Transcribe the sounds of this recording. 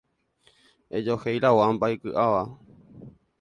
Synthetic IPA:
ed͡ʒohejɾawoambaekɨʔaʋa

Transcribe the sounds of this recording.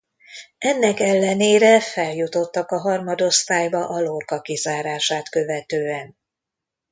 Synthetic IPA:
ɛnːɛkɛlːɛneːɾɛfɛljut̪o̞t̪ːɒkɒɦɒrmɒd̪o̞st̪aːjbɒʔɒlorkɒkizaːɾaːʃaːt̪kø̞vɛt̪øːɛn

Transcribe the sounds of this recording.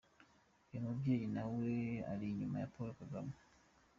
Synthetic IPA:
jemubjejinawea̰liɲuma̰ja̰polokaɡama

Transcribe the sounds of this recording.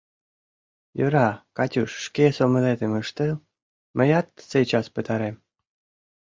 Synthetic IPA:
jøɾɑkɑtʲuʃːkesomə̆let̪ĕməʃt̪ə̆l | məjɑt̪ːset͡ɕɑspə̆t̪ɑɾem

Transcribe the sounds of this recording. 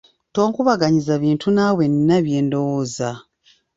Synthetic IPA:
to̞ːŋkuβaɡaɲizaβiːntʰunawe̞nːaβje̞ːndo̞woːza

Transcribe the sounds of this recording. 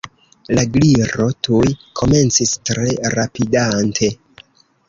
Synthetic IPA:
laɡliɾo̞tujkʰo̞me̞nt͡sistɾe̞ɾapidantʰe̞

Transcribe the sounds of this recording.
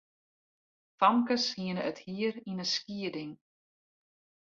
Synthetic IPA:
famkəshiənəʔəthiəɾinəskiədɪŋ

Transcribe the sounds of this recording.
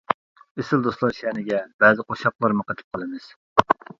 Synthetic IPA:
esɪld̪oslˠɑɾʃɛnɪɡʲɛbɛzɨqʰoʃɑqlˠɑɾmɨqət̪ʰɪ̥p̚qʰəlˠɨmɨz̥

